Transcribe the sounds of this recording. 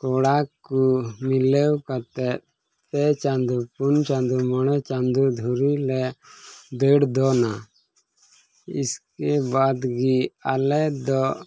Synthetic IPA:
kɔɽakumilɛwkat̪ɛ | t̪ɛt͡ʃand̪upunt͡ʃãnd̪umɔɽ̃ɛt͡ʃand̪ud̪ʱuɾilɛ | d̪əɽd̪ɔna | ḭskɛbad̪ɡialɛd̪ɔ

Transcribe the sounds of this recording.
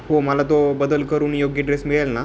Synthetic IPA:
homəlat̪obəd̪əlkəɾuːnjoɡjəɖɾesmiɭelna

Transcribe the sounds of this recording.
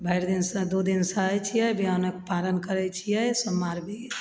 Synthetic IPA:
bʱəɪɾd̪insəd̪od̪insəɦɛt͡ʃʰijɛbianekpalənkəɾɛt͡ʃʰijɛjsəmːaɾbʱi

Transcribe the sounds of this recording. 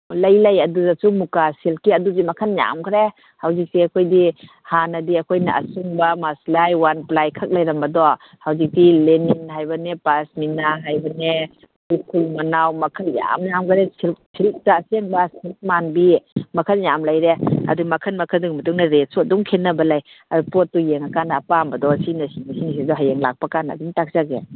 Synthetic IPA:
lajlajɐduzasumukasilkiɐduzimakʰanja̰mkʰɾe | hawzik̚siakʰojdi | hanɐdiɐkʰojna̰ʔa̰suŋbamaslajwanplajkʰak̚lajɾɐmbɐdɔ | hawzik̚dileninɦajbɐnepasminaɦajbɐne | ukʰulmɐnawmɐkʰɐlja̰mjamɡaɾesʰilksʰiɾik̚taːseŋbasilk̚manbimɐkʰənjamlajɾeɐ̰dumɐkʰənmɐkʰəduŋmɐtuŋnaɾet̚suadɔŋkʰenːɐbɐlaj | adupɔtːujeŋakanaːpambɐdɔsinɐsinɐsinis̬idɔɦajeŋlak̚pakana̰ːduŋtak̚zaɡḛ

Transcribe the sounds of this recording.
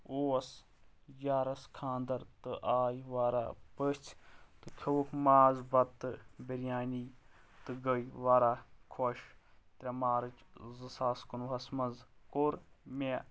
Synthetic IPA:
oːɐs | jaːɾɐskʰaːnd̪ɐɾt̪ɨʔaːjʋaːɾa̰ːpət͡ʃʰt̪ɨkʲʰɐwukmaːzbɐt̪ːɨbiɾjaːniː | t̪ɨɡəjʋaːɾaːkʰoʃt̪ɾʲamaːɾɨt͡ʃzɨsaːskunuɐsmɐzkoɾme

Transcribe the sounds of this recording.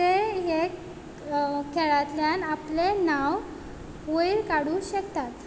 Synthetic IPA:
eɦe | kʰeɭat̪ljanaplenaw | ʋoilkaɽuːɕəkt̪at̪

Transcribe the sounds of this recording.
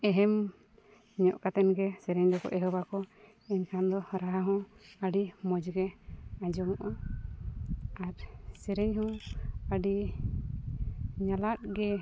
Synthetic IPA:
ɛɦɛm | ɲɔʔkat̪ɛnɡɛsɛɾɛɲd̪ɔkɔ̰ʔɛɦɔbakɔ | ɛɲkʰand̪ɔɾaɦaɦɔ̃əɖimɔd͡ʒɡɛad͡ʒɔŋɔʔɔ | aɾsɛɾɛɲɦɔ̃əɖi | ɲalat̪̚ɡɛ

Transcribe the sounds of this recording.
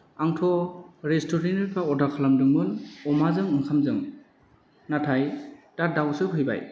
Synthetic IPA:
aŋtʰɔɾestʰɔɾeneɾkʰaɔdakʰalamdɯŋmɯnɔmazɯŋɯŋkʰamzɯŋ | natʰajtadawsɯpɦɯjba̰j

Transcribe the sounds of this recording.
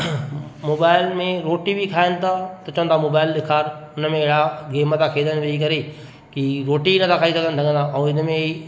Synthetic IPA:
moːbaːɪlmẽɾoːʈibʱikʰaːɪnɪ̆t̪ʰat̪ɐt͡ʃɐʋə̃nt̪ʰamoːbaːɪld̪ɪkʰaːɾʊnəmẽɪɦɪɽaɡeːmət̪akʰeːd̪ənɪʋeikɐɾe | kiɾoːʈinɐt̪ʰakʰaːisɐɡənɪ̆sɐɡə̃nd̪ʰaʔɐũɪnə̆mẽi

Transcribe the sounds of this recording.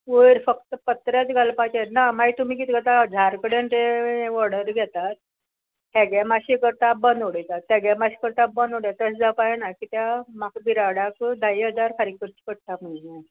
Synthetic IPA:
ojɾfəkt̪əpət̪ɾat͡sɡʱalpat͡ɕeɾnamait̪umiːkiːt̪ɡət̪ad͡zʱaɾkəɽenʈ̪eʋɔɾɽəɾɡʱɛt̪at̪̚ | ɦɛɡɛmaɕikəɾt̪abənd̪oɽəjt̪at̪ːɛɡɛmaɕi̥kəɾt̪abənd̪oɽjat̪əsd͡zapaenakiːt̪jamakbiɾaɽakd̪aiɦəd͡zaɾkʰaɾikkəɾt͡ɕi̥pəɽ̚t̪aməɳna

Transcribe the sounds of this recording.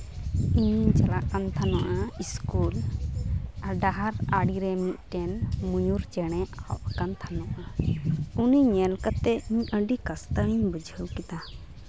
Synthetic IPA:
iɲt͡ʃalaʔkant̪ʰanɔʔaiskul | aɖaɦaɾaɽiɾɛmit̪̚ˀʈɛnmujuɾt͡ʃɛɽ̃ɛawʔkant̪ʰanɔʔa | uniɲɛlkat̪ːɛiɲəɖikast̪aiɲbud͡ʒʱəwkit̪a

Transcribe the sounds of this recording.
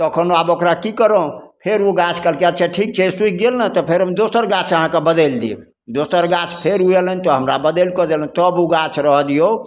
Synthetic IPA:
t̪əkʰənoabokɾakikəɾə̃pʰeɾuɡat͡ʃʰkəlkeaʈt͡ʃʰɛʈʰik̚t͡ʃʰed͡ʒsuɡelnət̪ɔpʰeɾɦəmd̪osəɾɡat͡ʃʰəɦãkebəd̪əld̪ḭ | d̪osəɾɡat͡ʃʰpʰeɾuelənt̪ɔɦəmɾa̰bəd̪əlkɔd̪elənt̪ɔbuɡat͡ʃʰɾəɦd̪ijo

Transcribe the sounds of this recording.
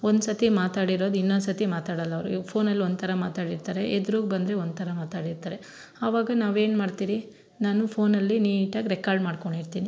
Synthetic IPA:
ond̪sɐt̪imaːt̪aːɽiɾo̞ːd̪uinːond̪sɐt̪imaːt̪aːɽɐlːɐʋɾupʰo̞ːnɐlːiond̪̚t̪ʰɐɾɐmaːt̪aːɽiɾt̪aːɾeʔed̪ɾoːɡbɐnd̪ɾeond̪t̪ʰɐɾɐmaːt̪aːɽiɾt̪aːɾe̞ | ɐʋaːɡɐnaːʋe̞ːnmaːɖt̪iːɾi | naːnupʰo̞ːnɐlːiniːʈaːɡɾɛkaːɾɖmaːɽko̞ɳɖiɾt̪iːni

